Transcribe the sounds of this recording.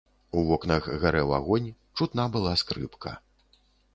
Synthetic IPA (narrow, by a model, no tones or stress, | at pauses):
uvɔknɐɣɣaɾɛwa̰ɣɔnʲ | t͡ʂut̪nabɨlˠaskɾɨ̰pkʰɐ̰